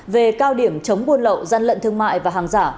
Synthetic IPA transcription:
ve˨˩kaː˧wɗi˧˩əmt͡ɕə˨˦wŋ͡mɓu˧ənlə̰˧˨wzaː˧nlə̰˧˨nt̪ʰɨ˧əŋma̰ː˧˨jvaː˨˩ɦaː˨˩ŋzaː˧˩

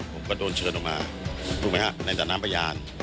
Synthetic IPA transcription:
pʰo˩˦mkɔː˥˩doː˧nt͡ɕʰɤː˧nʔɔ˨˩kmaː˧ | t̪ʰuː˧˩˨maː˦wa˧˩na˧jt̪aː˨˩naː˦˥pʰa˧jaː˧n

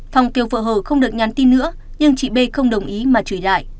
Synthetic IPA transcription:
fa˨˩wŋ͡mke˨˩wvə̰ː˧˨ɦəː˧˩xə˧wŋ͡mɗɨ˨˩ək̚ɲa˨˦nt̪i˧nːɨ̰˧˥ə | ɲɨ˧ŋt͡ɕḭ˧˨ɓe˧xə˧wŋ͡mɗə˨˩wŋ͡mʔi˨˦maː˨˩t͡ɕuː˧˩jla̰ː˧˨jʔ

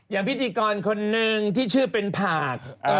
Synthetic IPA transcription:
jaː˨˩ŋpʰi˦˥t̪ʰiː˧kɔː˧nkʰo˧nːɯ˧ŋt̪ʰiː˥˩t͡ɕʰɯː˥˩pe˧npʰaː˨˩k̚ː

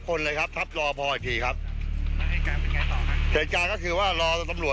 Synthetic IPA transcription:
kʰo˧nlɤː˧jkʰa˦˥p̚t̪ʰa˦˥p̚ɾɔː˧pʰɔː˧ʔi˨˩t̪ʰiː˧˩kʰa˦˥p̚ːha˥˩kaː˧npe˧nkaː˧jt̪ɔː˨˩kʰa˦˥sʰi˩˦nkaː˧kɔː˥˩kʰɯː˧waː˥˩ɾɔː˧t̪a˧mlu˨˩ə

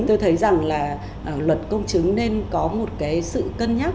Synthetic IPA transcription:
t̪o˧jt̪ʰə˨˦jza˨˩ŋlaː˨˩ | ʔlwə˨˩t̚kə˧wŋ͡mt͡ɕɨ˨˦ŋne˧nkɔ˨˦mo˨˩t̚kaː˨˦jsɨ̰˧˨kə˧nɲaː˦˥

